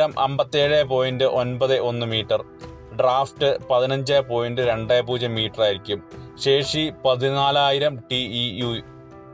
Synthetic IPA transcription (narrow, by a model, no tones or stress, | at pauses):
ɐmʔɐ̰mbɐt̪ːeːɻeːpo̞ːjindɨʔo̞nbɐðɨʔo̞nːɨmiːʈːɐr | ɖraːfʈɨpɐðinɐɲd͡ʑeːpoːjindɨɾe̞ɳɖeːpuːd͡ʑɐmːiːʈːɐraːjiɾikʲːumɕe̞ːʂipɐðinaːlaːjiɾɐmʈiiju